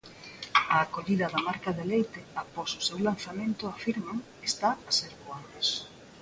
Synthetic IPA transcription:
aːkoʎiðɐðɐmaɾkaðelejt̪eapɔsʊsewlan̟θamẽnt̪ʊafiɾmaŋ | est̪aaseɾkoanos

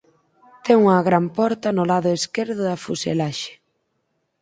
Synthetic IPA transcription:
t̪ɛŋuŋɐɣɾampɔɾt̪ɐnʊlaðʊeskeɾðʊðɐfusḛlaʃe̥

